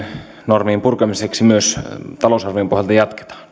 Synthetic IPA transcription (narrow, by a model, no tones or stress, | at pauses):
normiːmpurkɑmiseksimyøst̪ɑlosɑrʋiːmpohjɑlt̪ɑjɑt̪ke̥t̪ɑ̥ːn